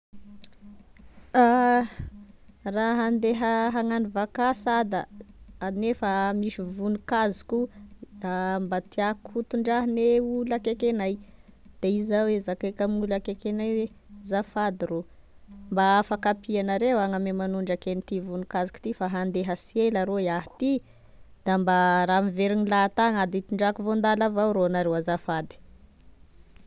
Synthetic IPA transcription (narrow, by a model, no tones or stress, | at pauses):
a | raɦand̪eɦəɦaŋanivakasad̪əanefamiʃivunikazi̥kuambat̪ʰiakʰut̪uɳɖ͡ʐaɦneulakekenajd̪̥eizawezakekamiulakekenajwe | zafad̪iro | mbafakapianaɾewaŋamemanuɳɖ͡ʐakenit̪ivunikazuku̥t̪ifaɦand̪eɦasielaɾojaɦt̪i | d̪̥ambaɾamiveɾinilat̪aŋad̪it̪iɳɖ͡ʐakuvond̪alavawɾonaɾewazafad̪i̥